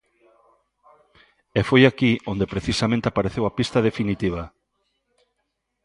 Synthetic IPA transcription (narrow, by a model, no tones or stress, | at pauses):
efojakiʔond̪epɾeθisamẽnt̪eapaɾeθewapist̪að̞efinit̪iβ̞a